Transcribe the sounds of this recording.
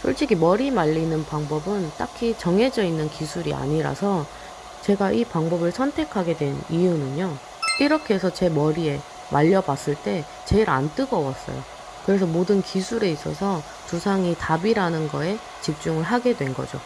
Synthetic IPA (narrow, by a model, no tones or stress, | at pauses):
sʰoɭt͡ɕ͈ʰiɡimʌɾimaʎːinɯnpaŋbʌbɯnt͈akʰit͡ɕʌŋɦe̞d͡ʑʌinːɯnkisʰuɾia̰ɲiɾa̰sʰʌ | t͡ɕe̞ɡaʔipaŋbʌbɯɭsʰʌntʰe̞kʰaɡe̞dwe̞nijunɯɲo | iɾʌkʰe̞sʰʌt͡ɕe̞mʌɾie̞ | maʎːʌbas͈ɯɭt͈e̞ | t͡ɕe̞ɾa̰nt͈ɯɡʌwas͈ʌ̰jo̰ | kɯɾe̞sʰʌmodɯnkisʰuɾe̞is͈ʌ̰sʰʌ | tusʰaŋitabiɾanɯnɡʌe̞ | t͡ɕip̚t͡ɕ͈uŋɯɭɦaɡe̞dwe̞nɡʌ̰d͡ʑo̰